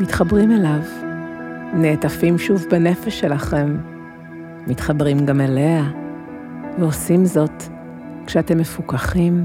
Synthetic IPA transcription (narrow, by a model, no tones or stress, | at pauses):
mitχabʁimelav | ne̞ːtafimʃuvbane̞feʃːe̞laχe̞m | itχabʁimɡamelea | veo̞simzo̞t | kʃeate̞mːe̞fukaχim